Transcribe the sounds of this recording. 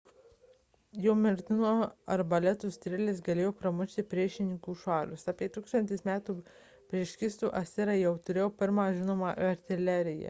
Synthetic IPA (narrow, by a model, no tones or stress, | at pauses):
jɛʊmʲɪɾʲt̪ʲɪnoːɐɾbɐlʲɛt̪ʊst̪ʲɾʲɪlʲɪsɡɐlʲeːjoːpɾɐmʊʃʲt̪ʲɪpʲɾʲiɛʃʲɪnʲɪŋkuːʃɑːlʲʊsɑːpʲiɛt̪uːkst̪ɐnʲt̪ʲɪsmʲæːt̪uː | pʲɾʲiɛʃʲkʲɪst̪uːʔɐsʲɪɾɐjɛʊt̪ʊɾʲeːjoːpʲɪɾmɑːʒʲɪnoːmɑʔɐɾʲt̪ʲɪlʲɛɾʲɪjɛ̰